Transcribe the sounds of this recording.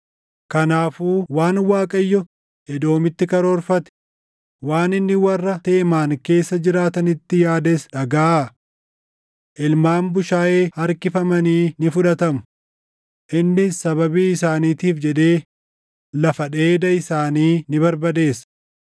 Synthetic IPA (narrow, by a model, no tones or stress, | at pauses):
kɐnaːfuːwaːnwaːkʼɐjːɔ | ɛd̪o̞ːmɪt̪ːɪkɐɾoːɾfɐt̪ɛ̥ | waːnɪnːɪwɐrːɐt̪eʔmaːnke̞ːsːɐd͡ʒɪɾaːt̪ɐnɪt̪ːɪjaːd̪esᶑɐɡaː | ʔɪlmaːmbʊʃaːʔeːɐɾkɪfɐmɐniːnɪfʊᶑɐt̪ɐmʊ̥ | ʔɪnːɪsɐbɐbiːɪsaːniːt̪iːfd͡ʒɛᶑ̪e̞ː | lɐfɐᶑeːd̪ɐɪsaːniːnɪβɐɾbɐd̪e̞ːs